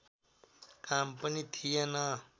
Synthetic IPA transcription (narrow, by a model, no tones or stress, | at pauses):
kampʌnit̪ʰijenʌ